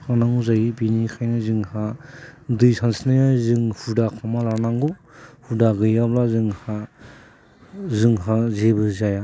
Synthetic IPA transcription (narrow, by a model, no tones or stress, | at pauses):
hanaŋuzajibinikʰajnɯzɯŋha | dɯjsansinajazɯŋhudakʰamalanaŋɡuhudaɡɯjablazɯŋha | zɯŋɦazebɯzaja